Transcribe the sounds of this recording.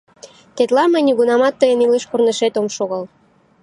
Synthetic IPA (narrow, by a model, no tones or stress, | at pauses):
t̪et̪lɑmə̆jnʲiɣunɑmɑt̪ːəjənileʃkorneʃet̪omʃoɣɤl